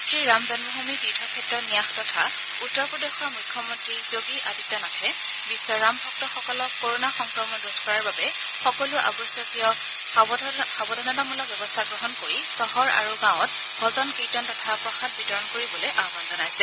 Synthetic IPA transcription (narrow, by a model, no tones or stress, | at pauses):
stɹiɹamzɔnmɔɦumipitʰɔkʰɛtːɹɔnijaxtɔtʰa | utːɔɹpɹɔdexɔɹmukʰːjɔmɔntɹizoɡiʔaditɔnakɛ | bisːɔɹambʱɔk̚tɔxɔkɔlɔkːoɹonaxɔŋkɹɔmɔdudʱkɔɹaɹbabɛ | xɔkɔluʔa̰bɔsjɔkiɔ | xabɔdʱɔnɔdamɔlɔbɛbɔstʰaɡɹɔɦɔnkoɹisɔɦɔɹa̰ɹuɡãw̃ɔt | bʱɔzɔnkitɔntɔtʰapɹɔxat̚bitɔɹɔnkoɹibɔlojʔamanzɔnajsɛ